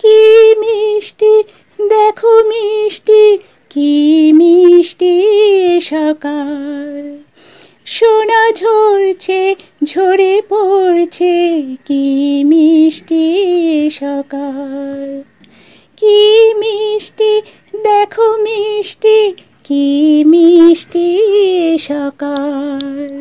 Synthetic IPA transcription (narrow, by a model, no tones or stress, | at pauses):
kimiʃʈi | d̪ɛkʰomiʃʈi | kimiʃʈiʃɔkal | ʃonad͡ʑʱoɾt͡ɕʰe | d͡ʑʱoɾepoɾt͡ɕʰekimiʃʈi | ʃɔkal | kimiʃʈi | d̪ekʰomiʃʈi | kimiʃʈi | ʃɔkal